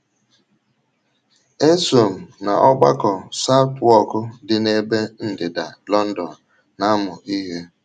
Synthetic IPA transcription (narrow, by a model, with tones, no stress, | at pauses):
e˦so˨m̩˨na̰˨ʔɔ˦ɡ͡ba̰˦kɔ˨sa˦twɔ˦kʊ˦dɪ˨ne˦be˦n̩˨dɪ˨da̰˨lɔ˦n̩˦dɔ˨n̩˨ | na˦a˦mʊ˨ʔi˦ɦe˦